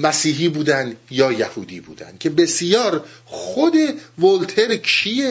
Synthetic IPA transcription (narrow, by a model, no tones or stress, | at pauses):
mæsiːɦiːbuːd̪ænd̪jɒːjæhuːd̪iːbṵːd̪æ̰nd̪̥̚cʰe̞besjɒːɾxod̪e̞volt̪ʰeɾkʰie